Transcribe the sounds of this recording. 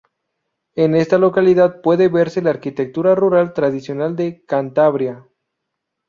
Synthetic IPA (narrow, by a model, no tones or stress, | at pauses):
ene̞st̪alo̞kaliðað̚pwe̞ðeβe̞ɾse̞laːɾkit̪ek̚t̪uɾaruɾalt̪ɾað̞isjo̞nald̪e̞kant̪aβɾja